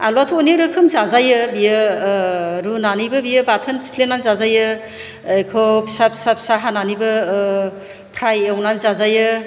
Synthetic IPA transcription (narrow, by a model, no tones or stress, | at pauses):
a̰lwatʰoniɾɯkʰɯmzazajɯbijɯ | ɾunanibɯbijɯbatʰɯnsi̥pʰlenanzazajɯ | jkʰɔpʰisapʰi̥sapʰi̥saɦananibɯ | pʰɾajewnanzazajɯ